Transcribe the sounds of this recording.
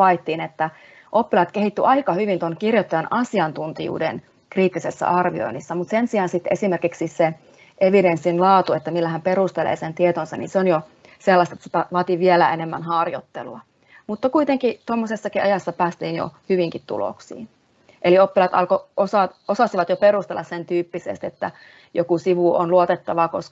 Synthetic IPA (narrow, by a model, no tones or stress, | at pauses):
ɑit̪ːiːnet̪ːæ | ʔopːilɑt̪kehit̪ːyʔɑikɑhyʋint̪onkirjot̪ːɑjɑnʔɑsiɑnt̪unt̪ijṵːdḛn | kriːt̪ːisesːɑ̰ʔɑrʋio̰inːisːɑmut̪sensiɑnsit̪ːesimerkiksise | ʔeʋidensːinlɑːt̪uet̪ːæmilːæhæmperust̪elḛːsent̪iet̪onsɑnḭnseonjo | selːɑst̪et̪set̪æʋɑːt̪iʋielæenemːæ̰nhɑrjo̰t̪ːḛlːɑ̰ | mut̪ːɑkuit̪eŋkit̪omːosesːɑkiɑjɑsːɑpæːst̪iːnjo̰hyʋiŋkit̪t̪ṵlo̰ksḭːn | ʔeliopːilɑt̪ɑ̰lkoʔosɑt̪osɑsiʋɑt̪joperust̪elːɑ̰ssent̪yːpːisḛst̪et̪ːæ̰ | jo̰kusiʋuo̰nluot̪et̪ːɑʋɑkosk